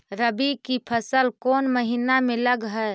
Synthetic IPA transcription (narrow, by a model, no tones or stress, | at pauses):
ɾəbikipʰəsəlkoːnməɦinameləɡɦəe